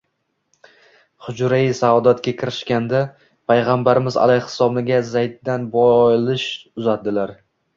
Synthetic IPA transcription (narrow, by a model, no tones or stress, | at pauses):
χʊd͡ʒɾasad̪at̪kʲakʲʰɪɾɪʃkʲand̪a | pʰajʁambaɾɪmɪza̰lajhɪ̥sɒbnɪɡʲazajd̪̚ːanbɒjlɪʃʊzat̪̚d̪ɪlaɾ